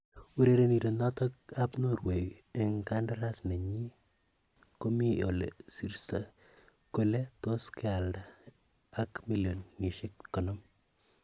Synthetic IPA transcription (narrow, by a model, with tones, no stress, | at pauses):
u˦ɾe˦ɾe˦ni˨ɾo˨na˦tɔkapno˦˨ɾwe˨je˨ŋka˦ndaɾa˦sne˨ɲi˦ | ko˦mi˦o˨lḛ˨si˨ɾsa˨ | ko˦le˦toske˦a˨ldaː˨˦ | kmi˦ljo˨nːi˨ʃe˦kːɔ˨nɔ˦m